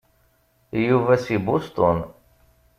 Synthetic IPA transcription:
juvæsibust̪ʊn

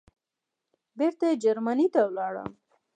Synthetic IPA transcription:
beɾt̪ajed͡ʒaɾmanit̪awlɑɽə̰m

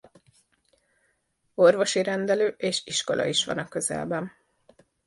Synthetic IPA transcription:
o̞rvo̞ʃiɾɛnd̪ɛløːʔeːʃiʃko̞̰lʔɒ̰iʃʋɒ̰nɒkːøzɛ̰lbɛn

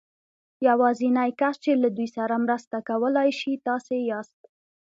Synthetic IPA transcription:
jawɑzinajkast͡ʃelad̪ujsaɾamɾəst̪akawəlɑjʃit̪ɑsejɑst̪̚

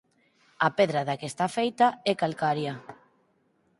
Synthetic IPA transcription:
apeðɾaðakest̪afejt̪aɛkalkaɾja

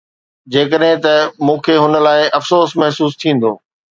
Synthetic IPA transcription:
d͡ʑeːkəɗɦɪ̃t̪ɐmũːkʰeːɦʊnə̆laːɪʔɐfsoːsmɐɦsuːs̬t̪ʰĩːn̆d̪o̰ː

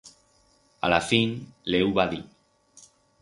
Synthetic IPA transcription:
a̰lafinlewβaði

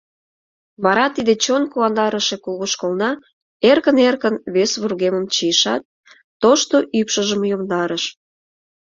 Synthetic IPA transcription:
βɑɾɑt̪id̪et͡ɕonkuɑnd̪ɑɾəʃekulɣuʃkolnɑ | erkənerkənβesβurɣeməmt͡ɕijəʃɑt̪̚ː | oʃt̪oʔypʃəʒəmjomd̪ɑɾəʃ

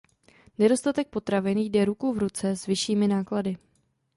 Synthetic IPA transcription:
nɛdo̞st̪at̪ɛk̚po̞t̪ɾavɪnjdɛɾukuvɾut͡sɛzvɪʃiːmɪnaːkladɪ

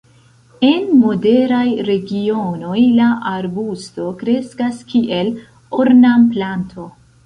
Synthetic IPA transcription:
e̞nmo̞de̞ɾajɾe̞ɡio̞no̞jlaʔaɾbusto̞kɾe̞skaskʰiʔe̞l | oɾnamplantʰo̞

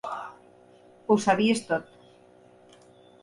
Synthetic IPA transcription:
owsaβiest̪ot̪̚

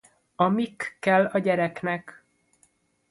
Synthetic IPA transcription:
ɒmikːɛlːɒɟɛɾɛknɛk

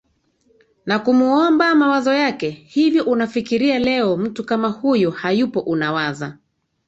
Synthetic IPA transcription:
nakumuɔmbamawazɔjakɛhivjɔʔunafikiɾialɛɔm̩tukamahujɔhajupɔʔunawaza

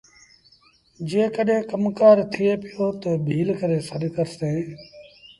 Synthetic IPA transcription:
d͡ʒeẽːkəɗɦẽːkəmkaːɾt̪ʰɪeːpɪjoːt̪ebʱiːlkəɾeːsəɗkəɾsẽː

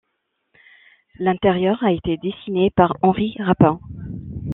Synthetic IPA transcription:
lɛ̃t̪ɛʁjœʁaet̪ed̪esinepaʁɑ̃ʁiʁapɛ̃

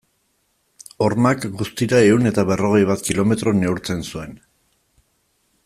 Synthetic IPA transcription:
o̞rmakɡust̪iɾae̞une̞t̪aβe̞ro̞ɣ̞e̞jβat̪kilo̞me̞t̪ɾo̞ne̞uwɾt͡se̞nsue̞n

